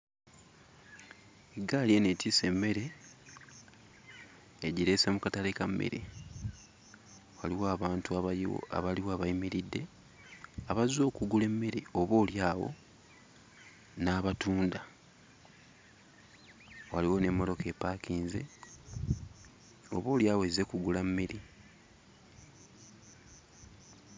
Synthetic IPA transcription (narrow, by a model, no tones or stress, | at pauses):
eɡaljenetise̞mːe̞ɾe̞ | ɟiɾe̞se̞mukatalekamːḛɾʔḛ | waliwoaβaːntṵa̰βaliwoaβaimiɾidːe̞ | aβazo̞ːkuɡule̞mːe̞ɾeoβoːljaːwo̞̰ | naːβatuːnda | waliwo̞ne̞mːolo̞ke̞ːpakiːnze̞̰ | o̞βo̞ːljaːwoeze̞kuɡulamːiɾi